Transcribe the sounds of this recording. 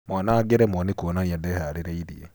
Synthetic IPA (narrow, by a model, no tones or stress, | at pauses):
mwanaɡeɾɛmwɔnikuɔnaniadɛhaɾeɾɛiɾiḛ